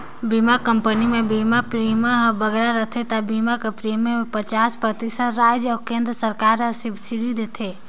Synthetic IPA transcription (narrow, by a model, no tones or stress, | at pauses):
bimakə̃mpənimẽbimapɾiːməɦbəɡɾaɾət̪ʰet̪abimakepɾiːmepət͡ʃaːspɾət̪isət̪ɾaːd͡ʒɔːɾkẽːnd̪ɾəsəɾkaːɾɦə̃sɪbsiɾid̪et̪ʰeː